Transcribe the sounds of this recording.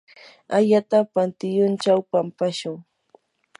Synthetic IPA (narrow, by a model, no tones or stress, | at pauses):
aʎat̪apant̪ɪjʊnt͡ʃawpampaʃʊŋ